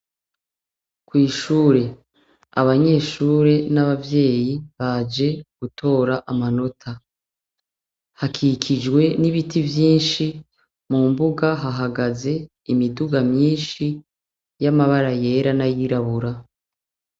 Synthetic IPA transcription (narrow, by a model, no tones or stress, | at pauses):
kwiːʃuːɾe̞ | a̰βaɲe̞ːʃuːɾe̞naβavje̞ːjiβad͡ʒe̞ɡ̥utʰo̞ːɾaʔamano̞tʰa | hakʰikʰid͡ʒɡwe̞niβitivjiːnʃi | mumbuɡaɦaɦaɡaze̞ | imiduɡamɲiːnʃi | jamaβaɾaje̞ːɾanajiɾaβuɾa